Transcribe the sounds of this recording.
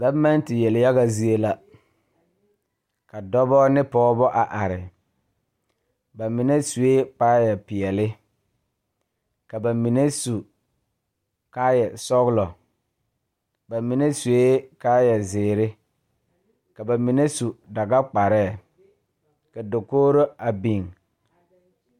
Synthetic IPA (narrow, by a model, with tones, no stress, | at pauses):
ɡa˦ma˦n˦tɪ˨jɛ˨lɪ˨ja˦ɣa˨zi˦e˦la˦ | ka˨dɔ˦bɔː˦nɪ˦pɔ˦bɔ˦ʔa˨ʔa˨ɾɪ˨ | ba˨mɪ˨ne˦su˨e˦k͡paː˦jɛ˨pɪ˨ɛ˨lɪ˦ | ka˨ba˨mi˨ne˦su˨ | kaː˦jɛ˨sɔ˦ɣlɔ˨ | ba˨mɪ˨ne˦su˨e˦kaː˦jɛ˨zɪː˨ɾɪ˦ | ka˨ba˨mi˨ne˦su˨da˨ɡa˦k͡pa˨ɾɛː˦˨ | ka˨do˨koː˦ɾo˦a˨bi˨ŋ